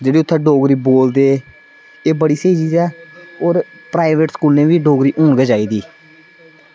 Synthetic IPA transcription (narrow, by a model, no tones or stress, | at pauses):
d͡ʒeːɽiːʊt̪ʰːẽːɖoːɡɾiːboːld̪eː | eːbəɽiːseːiːt͡ʃiːzɛːoːɾ | pɾaːiʋeːʈskuːlnẽːʋiːɖoːɡɾiːʔõːɳɡeːd͡ʒaːiːd̪iː